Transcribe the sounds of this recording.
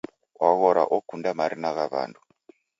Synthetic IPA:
waɣɔɾa̰ʔɔkundamaɾinaɣaβa̰ndu

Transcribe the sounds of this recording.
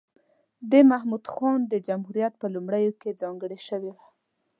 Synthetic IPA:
d̪əmahmud̪xɑnd̪əd͡ʒamhuɾijat̪̚pəlumɽəjoked͡zɑŋɡəɽeʃəwewa

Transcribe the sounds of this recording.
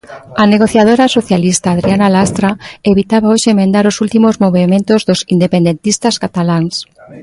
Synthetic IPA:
aneɣ̞oθjað̞oɾasoθjalist̪aːðɾianalast̪ɾaeβit̪aβaoʃeemẽnd̪aɾosult̪imozmoβemẽnt̪ozðosind̪epend̪ent̪ist̪askat̪alaŋs

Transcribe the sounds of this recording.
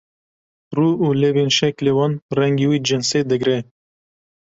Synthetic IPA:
ruːulevinʃɛklewɑnrɛŋɡiwiːd͡ʒɪnsed̪ɨɡɾɛ

